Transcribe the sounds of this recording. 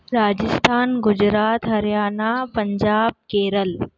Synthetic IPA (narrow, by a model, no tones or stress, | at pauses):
ɾaːd͡ʒəst̪ʰaːnɡʊd͡ʒɾaːt̪ɦɐɾjaːnapɐɲd͡ʒaːb̚keːɾəl